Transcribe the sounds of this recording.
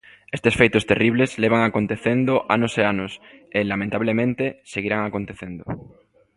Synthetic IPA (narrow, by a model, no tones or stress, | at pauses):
est̪esfejt̪ost̪eriβlezleβ̞aŋakont̪eθend̪oʔa̰noseanoselamẽnt̪aβ̞lemẽnt̪eseɣ̞iɾaŋakont̪eθend̪o